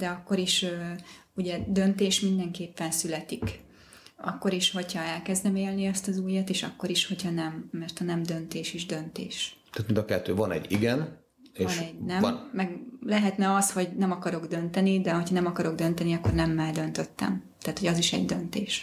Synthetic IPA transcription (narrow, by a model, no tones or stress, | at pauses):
d̪̥ɛɒkːo̞ɾiʃøː | uɟɛd̪ønt̪eːʃmind̪ɛŋkeːpːɛnsylɛt̪ik | ɒ̰kːo̞ɾiʃho̞chɒɛlkɛzd̪ɛmeːlniɛst̪ɒzuːjɑt̪eːʃɒ̰kːo̞ɾiʃho̞chɒnɛmːɛrt̪ɒnɛmd̪ø̞nt̪eːʃiʒd̪ø̞nt̪ḛːʃt̪æːt̪mind̪ɒkɛt̪ːøːvɒnɛ̰ɟːḭɡɛn | eːvɒnɛɟnɛmːɛɡlɛɦɛt̪nɛɒsho̞ɟnɛmɒkɒɾo̞ɡd̪ø̞nt̪ɛnid̪ɛho̞chɒnɛmɒkɒɾo̞ɡd̪ø̞nt̪ɛniɒkːo̞rnɛmːɛld̪ø̞nt̪øt̪ːɛ̰mt̪æːt̪ho̞ɟɒziʃɛ̰ɟd̪ø̞nt̪eːʃ